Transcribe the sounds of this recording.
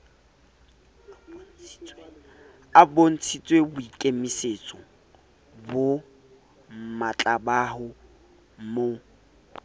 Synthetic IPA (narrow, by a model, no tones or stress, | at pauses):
abon̩t͡sʰit͡sʼwebʊikʼemiset͡sʼɔ | bʊ | mat͡ɬʼabaɦʊ | mo